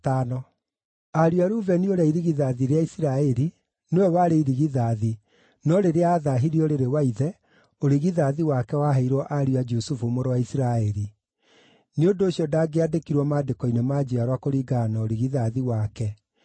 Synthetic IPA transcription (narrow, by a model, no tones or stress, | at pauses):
tanɔ | aɾiaɾuvɛnioɾaiɾiɣiðaðiɾeaisiɾaɛɾi | newɛwaɾeiɾiɣiðaði | nɔɾeɾeaːðaɦiɾiɔɾeɾewaiðɛ | oɾiɣiðaðiwakɛwaɦaiɾwɔʔaɾuad͡ʒusufumoɾɔwaisiɾaɛɾi | neondoːɕjɔdaːɡeadekiɾwɔmadekɔinemaːd͡ʑiaɾwakoɾiːɡanaoɾiɣiðaðiwakɛ